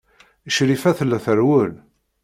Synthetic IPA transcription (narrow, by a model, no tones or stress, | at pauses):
əʃɾifæθəlːæθəɾwəl